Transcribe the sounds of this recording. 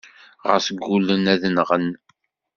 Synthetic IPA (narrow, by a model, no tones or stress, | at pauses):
ʁə̰ɾsəɡːulənæðənʁən